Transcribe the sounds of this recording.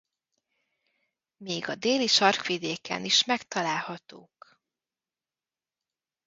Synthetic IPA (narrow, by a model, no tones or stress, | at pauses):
meːɡɒd̪eːliʃɒrkʋid̪eːkɛ̰niʃmɛkt̪ɒlaːlhɒt̪oːk